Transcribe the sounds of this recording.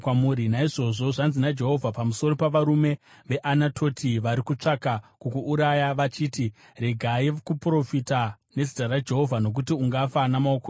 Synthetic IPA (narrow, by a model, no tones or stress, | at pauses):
kwamuːɾinaiʐo̞ʐo̞ʐanzinad͡ʒe̞ɦo̞vʱapamuso̞ɾo̞paʋaɾume̞ | ʋe̞ʔanatʰo̞tʰiʋaɾikut͡ʂakakukuʔːɾajaʋat͡ʃiːti | re̞ɡʱaikupro̞fita | ne̞zitarad͡ʒe̞ɦo̞vʱano̞k̬utiuŋɡafanamaoko